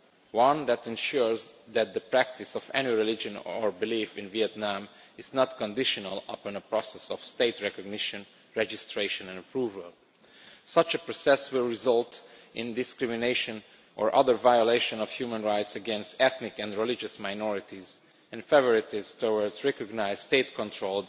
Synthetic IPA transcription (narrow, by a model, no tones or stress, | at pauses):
wʌ̃nd̪æt̪ɛ̃nʃuɹzd̪æt̪̚d̪əpɹæk̚t̪ɪsɔvɛniɹilɪd͡ʒə̃nɔɹbilifɪ̃nviɛt̪nãmɪznɔt̪kɔ̃ndɪʃɔnəlˠʌ̰pə̃nəpɹɔsɛsɔfst̪eɪtɹɛkɔɡnɪʃə̃n | ɹɛd͡ʒɪstɹeɪʃə̃nɛ̃nəpʰɹuːvəlˠ | sʌt͡ʃəpɹɔsɛswɪlˠɹɪzʌltʔɪ̃nd̪ɪskɹɪmineʃɔ̃n | ʔɔɹʔʌðəɹvajɔleɪʃɔ̃nɔfhjuːmə̃nɹaɪt̪səɡɛ̃nst̪ɛt̪nɪkɛ̃ndɹilɪd͡ʒəsmaɪnɔɹɪt̪iz | ɛ̃nfɛvɔɹit̪izt̪owəɹdzɹɛkɔɡnaɪz̥st̪eɪt̪kɔ̃ntʰɹol